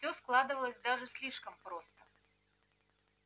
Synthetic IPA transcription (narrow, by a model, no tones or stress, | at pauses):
sʲɔsklˠad̪ɨvɐlˠəsʲd̪aʐɨsʲlʲiʂkɐmpɾɔst̪ɐ